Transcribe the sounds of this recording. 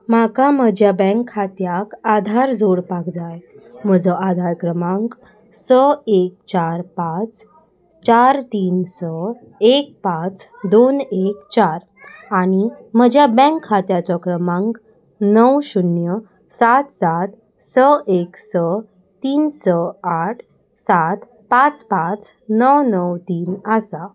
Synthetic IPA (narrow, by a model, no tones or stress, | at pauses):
makaməd͡ʑjabɛ̃ŋkʰːat̪jakad̪ʱaɾd͡zʱoɽpakd͡zajm̤əd͡zəʔad̪ʱaɾkɾəmãŋk | səek̚t͡ɕaɾpat͡s | t͡ɕaɾt̪iːnsə | ek̚pat͡s | d̪onekt͡ɕaɾ | aɽ̃im̤əd͡ʑjabɛ̃ŋkʰhat̪jat͡ɕɔkɾəmãŋk | nəwɕunjə | sat̪sat̪ | səeksə | t̪iːnsəaʈʰ | sat̪ | pãt͡spãt͡s | nəwnəwt̪iːnəsa